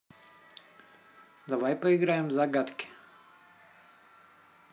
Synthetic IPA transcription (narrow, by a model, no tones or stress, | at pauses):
d̪aʋajpɔiɡɾajɛmzaɡat̪kʲɪ̥